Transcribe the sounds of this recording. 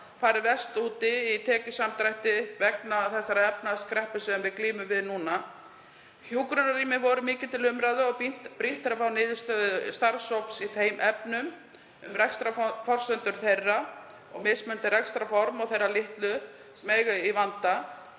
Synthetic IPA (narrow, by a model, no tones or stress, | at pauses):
faːɾɪvɛst̪uːt̪ɪit̪ʰɛːcʏsamt̪ɾajht̪ɪvɛknaθɛsːaɾaɛpnaskɾɛhpʏsɛmvɪðkliːmʏmvɪðnuːna | çjuːkɾʏnariːmɪvɔɾʏmɪːcɪ̥t̪ʰɪlʏmɾajðʏɔɣp̪pɾin̥t̪ːɪɾafawnɪːðʏst̪œðʏst̪aɾ̥sowpsiθeːjmʔɛpnʏm | ʏmrɛkst̪ɾaffɔr̥sœnt̪ʏɾ̥θejrːa | ɔɣmɪsmʏnt̪ɪɾɛkst̪ɾafɔɾmɔɣθejrːalɪht̪lʏ | sɛmejɣʏivant̪a